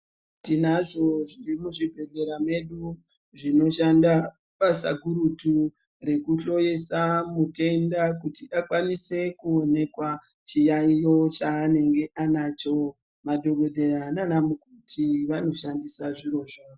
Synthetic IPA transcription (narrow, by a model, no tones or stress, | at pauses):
tinaʐo̞ʐirimuʐibʱe̞ɮe̞ɾame̞ɗu | ʐino̞ʃanda | pasa̰ɡʱuɾutu | re̞kuɬo̞jesamute̞ndakutiʔakwanise̞kuone̞kwa | t͡ʃijaijo̞t͡ʃaːne̞ŋɡe̞ʔanat͡ʃo̞ | madʱo̞ɡʱo̞dʱe̞rananamukutʰiʋano̞ʃandisaʐiɾo̞ʐaːo